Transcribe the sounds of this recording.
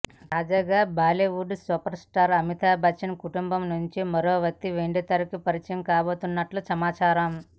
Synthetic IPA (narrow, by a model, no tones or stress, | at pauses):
t̪aːd͡ʒaːɡaːbaːleːʋuɖsuːpɐɾsʈaːɾɐmit̪ʰaːbʱɐt͡ʃːɐnɐkuʈumbɐmnuɲt͡ʃimɐɾoːʋɐt̪ːiʋeɳɖit̪ɐɾɐkipɐɾit͡ʃɐjɐmkaːbo̞ːt̪unːɐʈlusɐmaːt͡ʃaːɾɐm